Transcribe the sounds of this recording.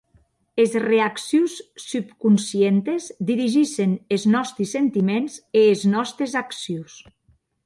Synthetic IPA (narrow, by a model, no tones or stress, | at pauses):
ezreaksjusːypkunsient̪ezd̪iɾiʒiʃeneznɔst̪ɾisːent̪imenzeːznɔst̪ɾezaksjus